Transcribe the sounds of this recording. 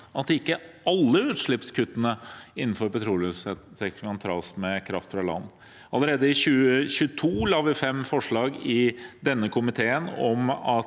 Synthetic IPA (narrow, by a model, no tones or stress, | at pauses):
ʔɑt̪̚d̪ɛɪkːəʔɑlːəʉːt̪ʂɭɪpskʉt̪ːənəɪnːn̩fɔɾpɛt̪ʰɾuːlssɛksɑnt̪ʰɾɑːsmɛkʰɾɑft̪fɾɑlɑ̰nː | ʔɑləɾeːd̪əɪɕʉːəɕʉːət̪ʰuːlɑːʋɪfɛmfɔʂɭɑːɡɪd̪ɛnːəkʰʊmɪt̪ʰeːənɔmɑt̪